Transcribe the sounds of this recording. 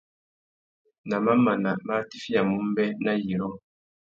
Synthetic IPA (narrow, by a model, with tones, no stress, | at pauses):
na˨ma˦ma˨na˨ma˦ti˦fi˦ja˨mu˦m˦bɛ˦na˦ji˨ɾɔ˦ŋ